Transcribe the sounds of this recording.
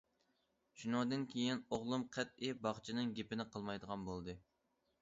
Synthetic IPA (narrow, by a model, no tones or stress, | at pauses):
ʃunɨŋd̪ɨnkʲʰejinoʁlˠumqʰɛt̪̚ɪbɑχt͡ʃʰinɨŋɡʲepɪnɪqʰəlˠmɑjd̪əʁɑnbolˠd̪ɨ